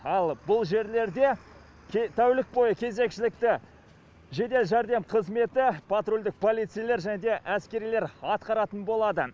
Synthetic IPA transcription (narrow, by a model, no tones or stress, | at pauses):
ɑlˠbʊlˠʒe̞ɾle̞ɾd̪e̞ | t̪ʰæwlɪk̚bo̞jəkʲʰe̞ze̞kʃɪlɪk̚t̪ɪ | ʒe̞d̪e̞lʒɑɾd̪e̞mqʰəzme̞t̪ɪpʰat̪ɾolʲd̪ɪk̚pʰo̞lˠijt̪sɨjleɾʒæned̪e̞ʔæskʲe̞ɾijle̞ɾɑt̪qɑɾɑt̪ənbo̞lˠɑd̪ə